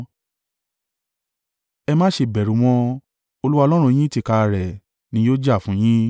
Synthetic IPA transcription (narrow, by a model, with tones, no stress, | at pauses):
ɛ˧mãː˦ʃe˧˨bɛ˨ɾũ˨˦w̃ɔ̃˧˦ | o˧lu˦wa˧lɔ˦ɾ̃ũ˧j̃ĩ˦ti˧˨ka˧ɾɛ˨ | nĩ˨˦joː˦d͡ʒa˦˨fũ˦j̃ĩ˦